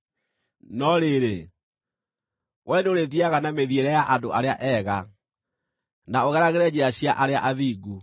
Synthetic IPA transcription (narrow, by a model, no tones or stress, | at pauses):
nɔɾeɾe | wʔɛneoɾeðiaɣanameðieɾɛjaʔadoʔaɾeaʔɛːɣa | naoɣɛɾaɣeɾɛd͡ʑeaɕiaʔaɾea̰ʔaðiːɡu